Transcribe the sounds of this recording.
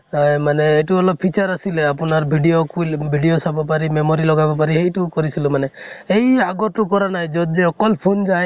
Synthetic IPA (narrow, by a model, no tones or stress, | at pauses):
maneːʈuɔlɔb̚pʰit͡ʃɔɾasileapɔnaɾbʱiɖiokilbʱiɖiosabapaɾimemɔɾilɔɡabapaɾiɦejʈukɔɾisilumaneeɦjaɡɔʈukɔɾanaɦĩd͡ʒɔd͡ʒeɔkɔlpʰund͡ʒaj